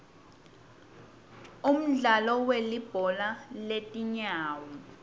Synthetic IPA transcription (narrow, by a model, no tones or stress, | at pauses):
um̩ɮalɔwelib̥ʱɔlaletʼiɲaːwɔ